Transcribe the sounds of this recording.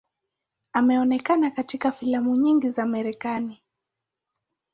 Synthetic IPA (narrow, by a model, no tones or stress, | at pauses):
amɛɔnɛkanakatikafilamuɲiŋɡizamɛɾɛkani